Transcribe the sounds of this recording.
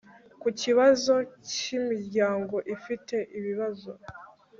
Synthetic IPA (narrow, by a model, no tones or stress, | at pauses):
kuciβazo̞cimiɾɟaːŋɡo̞ʔifite̞ʔiβiβazo̞